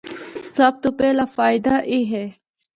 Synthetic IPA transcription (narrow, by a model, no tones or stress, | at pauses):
sɐb̚t̪upeːlaːfaːɪd̪aʔiːɦeː